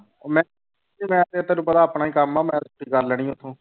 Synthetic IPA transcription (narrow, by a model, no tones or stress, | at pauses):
mɛ̃ː | imɛ̃ːt̪eːt̪əɾuːpət̪aːpnaːiːkəmaːmɛ̃ːsʰuʈiːkəɾlɛːɽ̃ĩːt̪ʰõː